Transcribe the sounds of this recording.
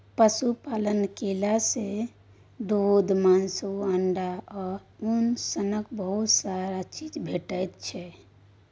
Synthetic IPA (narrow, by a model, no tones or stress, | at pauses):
pəsupalənkelase | d̪od̪mansuəɳɖaɔːɾunsənəkbəɦut̪saɾat͡ʃid͡ʒbʱeʈəjt̪t͡ʃʰɛ